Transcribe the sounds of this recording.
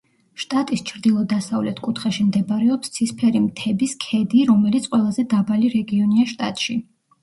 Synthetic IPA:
ʃt̪ʼat̪ʼist͡ʃʰɾd̪ilˠɔd̪asavlɛt̪ʰkʼut̪ʰχaʃimd̪ɛbɾɛɔpst̪sʰispʰɛɾimt̪ʰɛbiskʰɛd̪iɾɔmɛlit̪sʰʼqʼwɛlˠazɛd̪abaliɾɛɡiɔniaʃt̪ʼa̰t̪ʼʃi

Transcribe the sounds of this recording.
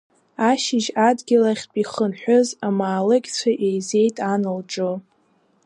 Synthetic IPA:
aʃɪʒadɡʲɪlaχʲpʼiχənħʷᶣʊzamaːlɨɡʲt͡sʷʰaʔejze̞jtʼanɨlʈ͡ʂʼo

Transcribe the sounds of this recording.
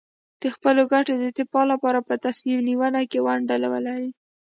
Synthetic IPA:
d̪̥əxpəloɡaʈod̪ət̪ɪpɑlapɑɾapət̪asmimniwanakewaɳɖalawə̰laɾi

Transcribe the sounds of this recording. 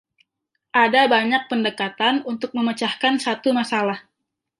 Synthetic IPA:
ʔadabaɲak̚pəndəkat̪anunt̪ʊk̚məmət͡ʃahkansat̪umasalah

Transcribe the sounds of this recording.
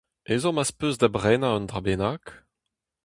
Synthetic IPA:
ezɔ̃maspøzd̪abʁɛːnaɑ̃nd̪ʁabenak

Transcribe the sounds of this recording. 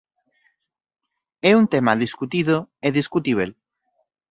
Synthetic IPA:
ɛunt̪emaðiskut̪iðoeðiskut̪iβel

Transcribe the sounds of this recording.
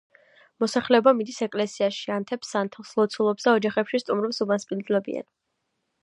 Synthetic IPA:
mɔsaχlɛɔbamid̪isɛkʼlɛsiaʃiant̪ʰɛpsant̪ʰɛlˠslˠɔt̪sʰulˠɔpsd̪aɔd͡ʒaχɛpʃist̪ʼumɾɛpsubanspʼind̪zulɛbḭa̰n

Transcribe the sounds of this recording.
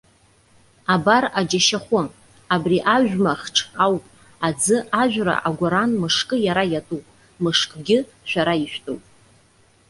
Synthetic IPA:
abarad͡ʒaʃaχʷʊ | abriʔaʒᶣʷmaχʈ͡ʂʰawpʼ | ad͡zɨʔaʒᶣʷra̰ʔaɡʷaɾanmɨʂkʼɨjaɾajatʼupʼ | mɨʂkʼɡʲɪ | ʃʷᶣaɾaiʃᶣtʼowpʼ

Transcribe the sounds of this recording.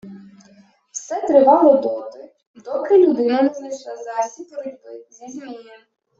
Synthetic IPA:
wsɛt̪ɾɪʋɑlˠɔd̪ɔt̪ɪ | d̪ɔkɪlʲʊd̪ɪnɐnɛznˠɐjʃlˠɑzɑsʲipɔɾɪbɪzʲizʲmʲijɐ

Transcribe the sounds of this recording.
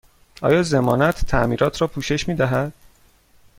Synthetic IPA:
ʔɒ̰ːjɒːze̞mɒːnæt̪ʰːæmiːɾɒːt̪ʰɾɒːpʰuːʃe̞ʃmiːd̪æɦæd̪̥

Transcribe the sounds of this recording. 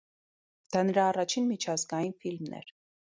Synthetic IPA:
d̪̥ɑnəɾɑːrɑt͡ʃʰinmit͡ʃʰɑzɡɑjinfilmnɛ̰ɾ

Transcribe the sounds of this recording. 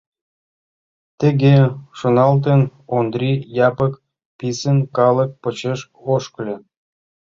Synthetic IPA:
t̪ĕɣeʃonɑlt̪̬enond̪rʲijɑpək | pisənkɑlˠək̚pə̆t͡ɕeʃ | oʃklʲĕ

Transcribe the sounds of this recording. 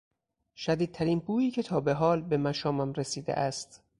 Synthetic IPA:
ʃæd̪iːd̪̚t̪ʰæɾiːnbʰuːjiːcʰe̞t̪ʰɒːbe̞ɦɒːlbe̞mæʃɒːmæmɾesiːd̪ḛʔæst̪

